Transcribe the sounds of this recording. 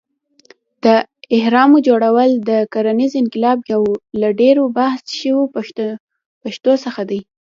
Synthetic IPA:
d̪̥əɪhɾɑmod͡ʒoɽawəld̪əkaɾanizɪnkɪlɑbjawlaɖeɾobahsʃəwo | paʃt̪osəxad̪aj

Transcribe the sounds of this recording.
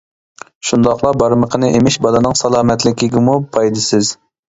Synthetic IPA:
ʃund̪ɑχlˠɑbɑɾməqʰənɨʔemɪʃbɑlˠɨnɨŋsɑlˠɑːmɛt̪lɪkʲɪɡʲimupʰɑjd̪ɨsɪz̥

